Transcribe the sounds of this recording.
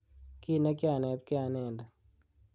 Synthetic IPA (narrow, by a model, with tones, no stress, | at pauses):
ki˦na˦kɪ˦a˨nɛ˨t̪̚kɪ˦a˨nɛ˨nda˨